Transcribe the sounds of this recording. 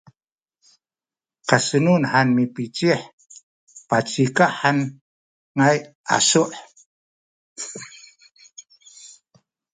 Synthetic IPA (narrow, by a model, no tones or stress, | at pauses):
kasənunħanmipit͡ʃiħ | pat͡ʃikaʔħan | ŋajʔa̰suʔ